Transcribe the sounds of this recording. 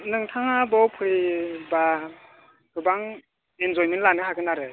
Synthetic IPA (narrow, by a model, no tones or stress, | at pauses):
nɯŋtʰaŋabɔpʰɯiba | kɯbaŋ | enzɔjmentlanɯhaɡɯnaɾɯ